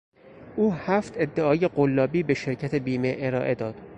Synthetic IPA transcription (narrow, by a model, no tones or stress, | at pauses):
ʔuːhæːft̪ʰe̞d̪ːeɒːje̞ɢolːɒːbiːbe̞ʃe̞ɾcʰæt̪ʰe̞biːmeʔeɾɒːʔe̞d̪ɒːd̪̥